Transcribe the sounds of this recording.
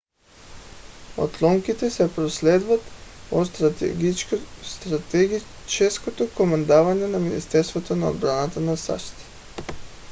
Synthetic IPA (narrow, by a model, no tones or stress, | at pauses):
o̰t̪lˠoŋkit̪ɛsɛpɾosled̪vat̪o | st̪ɾat̪ɡi | t͡ʃeskot̪okomand̪aʋaɲenaminḭst̪eɾst̪vot̪onaod̪bɾanat̪anasa̰ʃt̪i̥t̪i̥